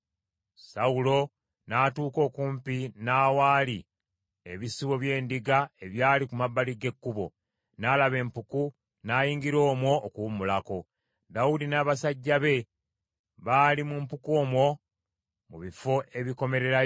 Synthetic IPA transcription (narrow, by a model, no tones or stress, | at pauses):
saulo̞ | naːtuːko̞ːkuːmpinaːwaːli | e̞βisiβo̞βje̞ːndiɡae̞βjaːlikumabːaliɡe̞kːuβo̞̰ | naːlaβe̞ːmpuku | naːjiːŋɡiɾo̞ːmwo̞ːkumulako̞ | daudinaːβasaɟːaβe̞ | βaːlimumpuko̞ːmwo̞ | muβifo̞ʔe̞βiko̞me̞ɾe̞ɾa